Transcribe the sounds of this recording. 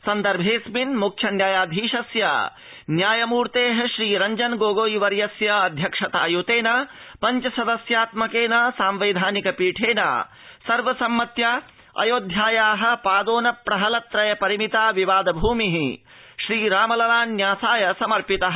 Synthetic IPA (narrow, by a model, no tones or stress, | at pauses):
sɐnd̪ɐɾbʱeːsminmukt͡ʃʰɐnjaːjaːd̪ʱiːʃɐsjɐ̰ | njaːjɐmuːɾt̪eːɦɐʃɾiːɾɐɲd͡ʒɐnɡoːɡoːjiʋɐɾjɐsjɐɐd̪ʱjɐkʂɐt̪a̰ːjoːt̪eːnɐpɐɲt͡ʃɐsɐd̪ɐsjaːt̪mɐkeːnɐsaːmʋeːd̪ʱaːnikɐpiːʈʰeːna̰ː | sɐɾʋɐsɐmːɐt̪ja | ɐ̰joːd̪ʱjaːjaːɦɐ̆paːd̪oːnɐpɾɐɦɐlɐt̪ɾɐjɐpɐɾimit̪aːʋiʋaːd̪ɐbʱuːmiɦi | ʃɾiːɾaːmɐlɐɾaːnːjaːsaːjɐsɐmɐɾpit̪ɐɦɐ